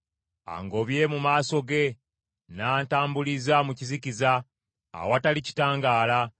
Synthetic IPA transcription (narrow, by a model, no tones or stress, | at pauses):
a̰ŋɡo̞βje̞mumaːso̞ɡe̞ | naːntaːmbulizamuciziciza̰ː | watalici̥taːŋɡaːla